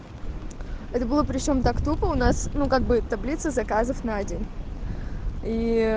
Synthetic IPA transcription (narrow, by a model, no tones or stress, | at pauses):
ɛt̪əbɨlˠəpɾʲɪt͡ɕo̞mt̪akt̪upəʊnasnukaɡ̚bɨt̪ɐblʲit̪səzɐkazəfnɐɐdʲin | i